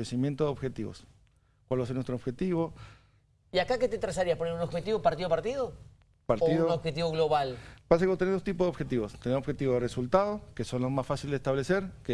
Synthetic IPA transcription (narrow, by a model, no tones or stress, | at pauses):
esimjent̪oðeo̞βxe̞t̪iβo̰s | kwalβaseɾnwest̪ɾoβxe̞t̪iβo̞ | iakaket̪et̪ɾasaɾiasponeɾunobxet̪iβopaɾt̪iðopaɾt̪iðo | paɾt̪iiuðonobxet̪̬iβoɣloβalbas̬ekeot̪eeðost̪ip̬ozðo̞βxet̪iβost̪eneɾoβxe̞t̪iβoðeresult̪aðokeso̞nlozmasfasilzd̪est̪aβle̞se̞ɾke